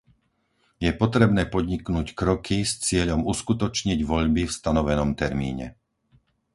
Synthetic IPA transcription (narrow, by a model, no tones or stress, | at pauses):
jɛpɔt̪ɾɛbnɛːpɔd̪ɲiknuːckɾɔkʰist͡sɪɛʎɔmuskut̪ɔt͡ʃɲiɟʋɔʎbifst̪anɔʋɛnɔmt̪ɛɾmḭːɲɛ̰